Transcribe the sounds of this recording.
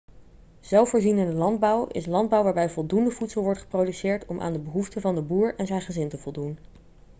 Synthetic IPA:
z̥ɛlˠfoːɹzinɪndəlɑnd̚bʌwɪ̰slɑnd̚bʌwʋaːɹbɛjvɔlˠdundəvutsəlˠʋɔɹtχə̥prowdysɪːɹtɔmʔa̰ːndəbəɦuftəvɑndəbuːɹɛnzɛjnχəzɪntəvɔlˠdun

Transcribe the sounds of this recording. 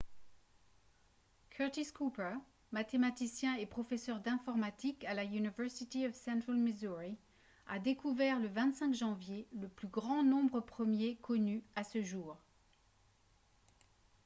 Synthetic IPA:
kʰœt̪iskupə | mat̪emat̪isjɛ̃ɛpχɔfesœʁd̪ɛ̃fɔʁmat̪ikalaynivɛʁsit̪iɔvsɛ̃t̪χalmezuʁi | a̰d̪ekuvɛʁləvɛ̃t̪sɛ̃kʒɑ̃vjeləplyɡʁɑ̃nɔ̃bʁəpχəmjekʰɔnyasəʒuːʁ

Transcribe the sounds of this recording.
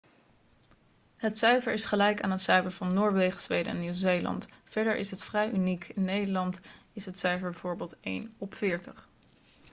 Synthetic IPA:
ɦətsœɥvəɹɪsχəlɛjka̰ːnɦətsœɥvəɹvɑnːʊːɹʋejχəzʋejdəɛ̰nːiwzejlɑ̰ntfɛɹdəɹʔɪ̰sɦətfrɛjʔynikʰɪnːejdəɹlɑntɪsɦətsœɥvəɹbɛvʊːɹbɪːlˠtḛjnɔpfɪːɹtəχ

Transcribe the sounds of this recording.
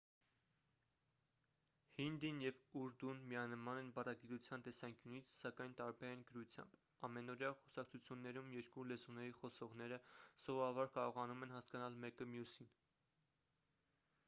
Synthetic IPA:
hind̪injɛvuɾd̪unmijɑnəmɑnɛnbɑrɑɡit̪ut͡sʰjɑnt̪ɛsɑŋkjunit͡sʰsɑkɑjnt̪ɑɾbɛɾɛnɡəɾut͡sʰjɑ̰mb | ɑmɛnɔɾjɑχɔsɑk̚t͡sʰut͡sʰjunːɛɾumjɛɾkulɛzunɛɾiχɔsɔʁn̪ɛɾəsɔvɑbɑɾkɑɾɔʁɑnumɛn̪hɑskɑnɑlmɛkəmjusin

